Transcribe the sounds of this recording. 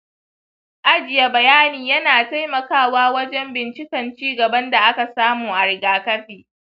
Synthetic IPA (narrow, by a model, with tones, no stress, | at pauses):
ʔa˦d͡ʒɪ˨ja˦bɐ˨jaː˦niː˨jɐ˦naː˨ta˦jmɐ˨kaː˦˨waː˦wɐ˦d͡ʒɛ˦mbɪ˨nt͡ʃɪ˦kɐ˨nt͡ʃiː˦ɡɐ˨bɐ˦nda˨ʔa˦ka˨saː˦muː˨ʔa˨ɽɪ˨ɡaː˨kɐ˦ɸiː˨